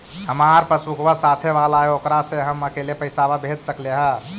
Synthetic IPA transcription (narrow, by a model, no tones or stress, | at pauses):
həmaɾpəsmukʰbasat̪ʰeʋalaɦeokɾaseɦəməkelepəɪsababʱed̪səkleɦə